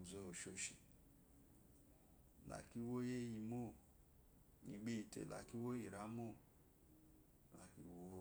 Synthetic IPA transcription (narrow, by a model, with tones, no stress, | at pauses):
zo˧o˨ʃo˧ʃi˨ | la̰˨ki˦wo˦je˦ji˧˨mo˦˨ | ni˨ɡ͡bi˦i˨tḛ˨la̰˨ki˦wo˦ji˨ɾa˨˦mo˦˨ | la˨ki˦wo˦